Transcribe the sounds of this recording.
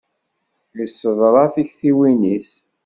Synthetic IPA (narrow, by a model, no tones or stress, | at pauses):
jəsːəðˤɾˤɑθiçθiwinis